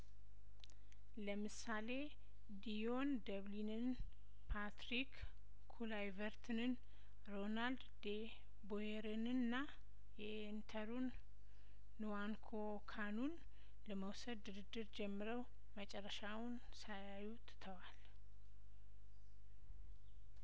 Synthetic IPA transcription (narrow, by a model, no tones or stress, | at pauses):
ləmɨsale̞ | d̪ijond̪əβlinɨn | pʰat̪ɾik | kʰːulajvəɾt̪ʰnɨn | ɾo̞nald̪d̪e | bojeɾɨnɨnːa | jɛ | nt̪ʰəɾunː | uwaŋkʰo | kʰanun | ləməwsəd̪ːɨɾɨd̪ːɨɾd͡ʒɛmːɨɾəw | mət͡ʃʼɛrːəʃawʊn | sajajut̪ʰt̪ʰəwal